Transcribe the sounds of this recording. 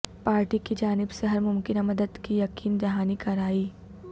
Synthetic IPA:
paːɾʈikid͡ʒaːnɪbseɦɐɾmʊmkɪnamɐd̪əd̪kijɐkiːnd͡ʒɐɦaːnikɐɾaːiː

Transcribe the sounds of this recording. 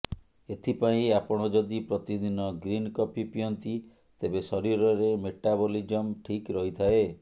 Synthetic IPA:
et̪ʰipaĩapɔɽ̃ɔd͡ʒɔd̪ipɾɔt̪id̪inɔɡɾinkɔpipiɔnt̪i | t̪ebesɔɾiɾɔɾemeʈabɔlid͡ʒɔmʈʰikɾɔɦit̪ʰae

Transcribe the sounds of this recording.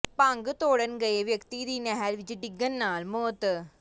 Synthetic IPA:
paŋɡɯt̪oːɽɐnɡɐjeʋjɐkt̪id̪inɐɦɐɾʋid͡ʒiɖiɡːɐnːaːlmoːt̪

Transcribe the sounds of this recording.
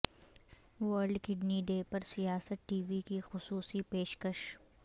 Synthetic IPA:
ʋəɾɖkɪɖniɖeːpɐɾsijaːsət̪̚ʈiːʋikixʊsuːsipeːʃkəʃ

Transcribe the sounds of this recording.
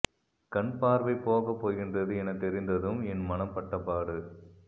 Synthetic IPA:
kɐɳpaːɾʋɐɪpːoːɣɐpːoːɣɪndrɐðɯɛnɐt̪ɛɾɪnd̪ɐðɯmɛnmɐnɐmpɐʈːɐpːaːɾɯ

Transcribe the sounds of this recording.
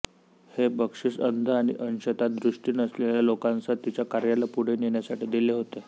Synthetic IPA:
hebəkʂisənd̪ʱəaɽ̃ḭʔənɕət̪at̪̚d̪ɾuʂʈiːnəsleljalokãnt͡sət̪ːit͡ɕjakaɾjalapuɽ̤eneɳjasaʈiːd̪ileɦot̪e

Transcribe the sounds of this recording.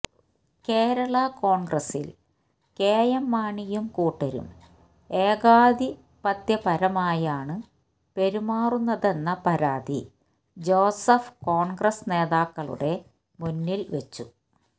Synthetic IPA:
ke̞ːɾɐɭɐko̞ːɳɡrɐsḭl | keːjɐmːaːɳijumkuːʈːɐɾṵm | e̞ːɡaːd̪i | pɐt̪jɐpɐɾɐmaːjaːɳɨ | pe̞ɾumaːrunːɐðe̞nːɐpɐɾaːd̪ḭ | d͡ʑo̞ːsɐfko̞ːɳɡrɐsne̞ːðaːkːɐɭṵɽe̞ | munːilʋet͡ɕːu

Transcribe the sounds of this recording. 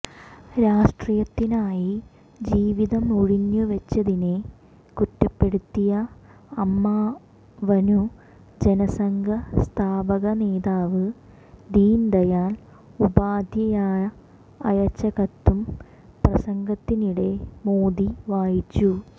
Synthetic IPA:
ɾaːʂʈrijɐt̪ːinaːji | d͡ʑiːʋiðɐmuɻiɲːuʋɐt͡ɕːɐðine | kuʈːɐpːe̞ɽut̪ːijɐ | ɐmːaː | ʋɐnu | d͡ʑenɐsɐŋɡʱɐst̪ʰaːbɐɣɐne̞ːðaːʋɨ | d̪iːnd̪ɐjaːl | ubaːd̪ʱjɐjaːjɐ | ɐjɐt͡ɕːɐɣɐt̪ːum | prɐsɐŋɡʱɐt̪ːiniɽe̞moːd̪iʋaːjit͡ɕːu

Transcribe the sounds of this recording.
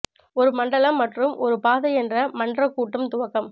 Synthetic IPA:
ɔɾɯmɐɳɖɐɭɐmːɐʈrɯmʔɔ̰ɾɯpaːðɐɪɛndrɐmɐɳɖrɐkːuːʈːɐmt̪ʊʋɐkːɐm

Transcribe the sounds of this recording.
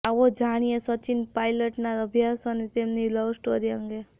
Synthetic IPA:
aʋod͡ʒaɽ̃ijesət͡ʃinpajləʈnaɾəbʱjasənet̪emnilɔʋsʈoɾijəŋɡe

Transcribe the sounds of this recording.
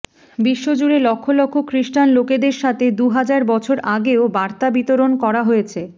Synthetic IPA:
biʃːod͡ʑuɾelɔkʰːolɔkʰːokɾiʃʈanloked̪eɾʃat̪ʰed̪uɦad͡ʑaɾbɔt͡ɕʰoɾʔaɡeobaɾt̪abit̪oɾonkɔɾaɦojet͡ɕʰe

